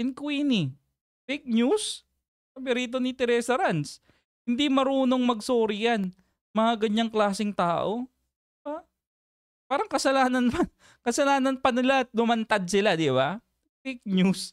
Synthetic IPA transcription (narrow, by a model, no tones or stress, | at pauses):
ɪnkwiːni | fejk̚ɲus | ɐbɛɾiːt̪̬o̞nɪt̪ɛɾɛːsɐɾans | hɪnd̪imɐɾuːno̞ŋmɐɡ̚soːɾɪjan | mɐŋaɡɐɲːaŋklaːsɪŋt̪aːʔo̞ | d̪ɪba | paːɾɐŋkɐsɐlaːnɐnmɐ | kɐsɐlaːnɐnpɐnɪlat̪̚nʊmɐnt̪ad̪̚sɪlad̪ɪba̰ | fejk̚ɲus